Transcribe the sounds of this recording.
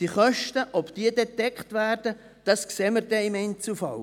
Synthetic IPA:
d̥iχœʃtəʔɔbd̥iːədɛtɛkχtvæːrd̥ə | d̥ɑskseːməɾd̥ɛɪmɛɪnt͡sufɑl

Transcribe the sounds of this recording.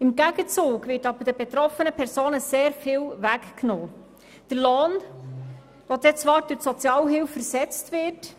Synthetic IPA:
ɪmɡæɡət͡suːɡvɪːɾtɑbəd̥əbet̪ɾɔfənəpʰɛɾsoːnəseːɾfɪːlʋækknoː | d̥əɾloːn | ʋɔdɛt͡sʋɑːɾdʊsɔt͡sjɑːlɦɪlfəɾsɛt͡stʋɪːɾt

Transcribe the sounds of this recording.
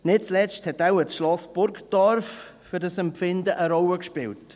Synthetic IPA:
nɪt̚t͡slɛsthɛtawəsʃlɔsbʊɾkd̥ɔɾf | fʏɾdɑsɛmpfɪndəʔəɾɔwəkʃpɪwt

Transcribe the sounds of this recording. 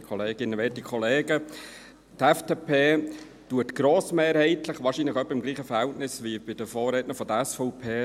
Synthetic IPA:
kʰɔleːɡ̥ɪnːəʋeːtikʰχɔleːɡə | tɛfd̥eːpʰeː | tuətɡ̥ɾoːsmeːɾhɛɪtlɪχʋɑːɾʃinləχœpːəɪmɡliːχəfəɾhɛltnɪsʋib̥ɪd̥əfoːrɾeːtnəfɔdəɛsfɔʊpʰeː

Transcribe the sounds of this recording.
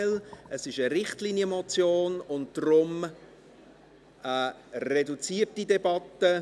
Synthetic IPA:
ləsɪʃəɾɪχtliːnjəmɔt͡sjoːnʊnt̚d̥ɾʊm | əredut͡siːət̚didɛbɑtə

